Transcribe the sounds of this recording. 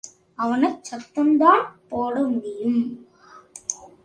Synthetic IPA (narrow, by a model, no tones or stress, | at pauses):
ɐʋɐnɐɪt͡ʃːɐt̪ːɐmd̪aːnpoːɽɐmːɪjɯm